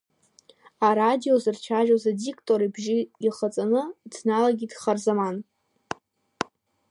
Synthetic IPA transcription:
aɾadio̞zɨrt͡ʃʷʰaʒazadikʼtʼoɾibʒɪiχat͡sʼanɨdnalaɡʲidχarzaman

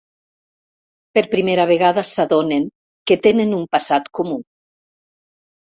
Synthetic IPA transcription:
peɾpɾimeɾaβ̞eɣaðasaðoneŋ | ket̪enenumpasat̪komu

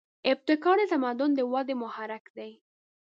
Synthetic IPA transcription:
ɪb̚t̪ɪkɑɖ̪ət̪amad̪ʊnd̪əwɑd̪əmʊhaɾakd̪aj

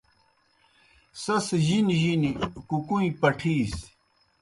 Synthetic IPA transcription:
sɐsʑinʑinikukũĩpɐʈʰiːs

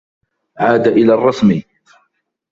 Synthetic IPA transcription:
ʕaːd̪aʔɪlaːrˤːɑsmi

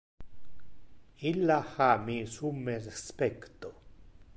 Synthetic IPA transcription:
ilːahamisumːerespekt̪o

